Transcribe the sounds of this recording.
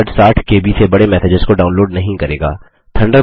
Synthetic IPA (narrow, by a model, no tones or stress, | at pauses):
ʈsaːʈʰkeːbʱisebɐɽemɛːseːd͡ʒəzkoɖaːʊnloːɖnɐɦĩkɐɾḛːɡa̰ː | t̪ʰɐ̃ɳɖə